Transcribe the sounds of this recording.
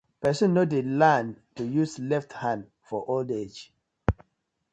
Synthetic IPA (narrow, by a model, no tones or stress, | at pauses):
pɛsũnnːodelãntujuslɛfthãn | fɔʔolded͡ʒ